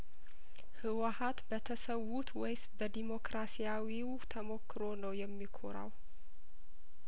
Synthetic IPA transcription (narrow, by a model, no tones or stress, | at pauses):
hɨwahat̪bət̪ʰəsəwːut̪wɔjsbəd̪imo̞kɾasijawiw | t̪ʰəmo̞kʰːɨɾonəwjɛmːikʰo̰ɾa̰w